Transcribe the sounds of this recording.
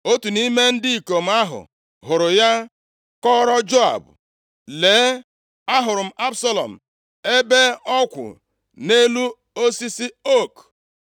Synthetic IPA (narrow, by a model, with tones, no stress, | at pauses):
o˦tu˨ni˦me˦n̩˦dɪ˦i˨ko˨m̩˨˦a˦ɦʊ̰˨ | ɦʊ˨ɾʊ˨ja˦ | kɔ˦ɾɔ˦d͡ʒo˦a̰˨bʊ̰˨ | leː˨˦ | a˦ɦʊ˨ɾʊ˨m̩˨ʔa˦bsa˦lɔ̰˨m̩˨ | e˦be˦ɔ˦kʷʊ̰˨ | ne˦lu˦ | o˦si˦si˦o˦˨k